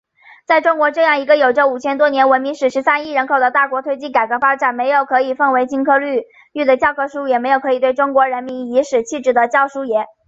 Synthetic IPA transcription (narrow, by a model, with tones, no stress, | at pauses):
t͡sa˥˧ɪʈ͡ʂʊ˥ŋkwɔ˧˥ʈ͡ʂɤ˥˧jɑ˥˩ŋi˧˥ɡə˧jo˨˩ʊʈ͡ʂə˥˧u˨˩t͡ɕʰjɛ˥nt̪wɔ˥njɛ˧˥nwə˧˥nmi˧˥ŋʂɻ̩˨˩ʂɻ̩˧˥sa˥ni˥˩ɻə˧˥nkʰo˨˩ʊd̪ə˦t̪a˥˩kwɔ˧˥t̪ʰwe˥ɪt͡ɕi˥˩ka˨˩ɪkɤ˧˥fa˥ʈ͡ʂa˨˩˦nme˧˥ɪjo˨˩ʊkʰɤ˧˥i˨˩fə˥˩ŋwe˧˥ɪt͡ɕi˥ŋkʰɤ˥˧ly˥˧ | ly˥˩d̪ə˩t͡ɕjɑ˥˧ʊkʰɤ˥ʂu˥jɛ˨˩me˧˥ɪjo˨˩ʊkʰɤ˧˥i˨˩t̪we˥˩ɪʈ͡ʂʊ˥ŋkwɔ˧˥ɻə˧˥nmi˧˥ni˧˥ʂɻ̩˨˩t͡ɕʰi˥˧ʈ͡ʂɻ̩˥˩d̪ə˦t͡ɕjɑ˥˩ʊʂu˥jɛ˧˥n